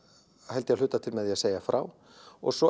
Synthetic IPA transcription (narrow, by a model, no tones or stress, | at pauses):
hɛlt̪jaðlʏːt̪at̪ʰɪlmɛðjɛaseːjafɾa̰ːw | ɔ̰ɣsɔ